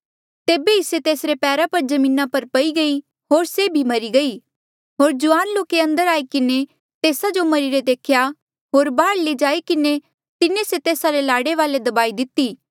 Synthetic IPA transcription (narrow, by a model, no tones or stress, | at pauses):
t̪eːbeɦiset̪eːsɾepɛːɾapɐɾd͡ʒɐmĩːnapɐɾpɐiɡɐi | ɦoːɾsebʱimɐɾiɡɐi | ɦoːɾd͡ʒʊʋaːnloːkeɐ̃nd̪əɾaːikɪne | t̪eːsad͡ʒomɐɾiɾed̪eːkʰja | ɦoːɾbaːɽled͡ʒaːikɪne | t̪ɪneset̪eːsaɾelaːɽeʋaːled̪ɐbaːid̪ɪt̪ːiː